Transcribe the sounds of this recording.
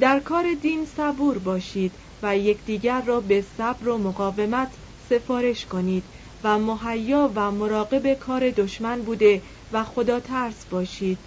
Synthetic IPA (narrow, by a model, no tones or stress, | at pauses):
d̪æɾkʰɒːɾe̞d̪iːnsæbuːɾbɒːʃiːd̪̥ | væje̞cʰd̪̥iːɟæɾːɒːbe̞sæbɾo̞moɣɒːve̞mæt̪ʰ | se̞fɒːɾe̞ʃkʰo̞niːd̪̥ | væmoɦæjːɒːvæmo̞ɾɒːɣe̞be̞kʰɒːɾe̞d̪o̞ʃmænbuːd̪e̞ | væxo̞d̪ɒːt̪ʰæɾsbɒːʃiːd̪̥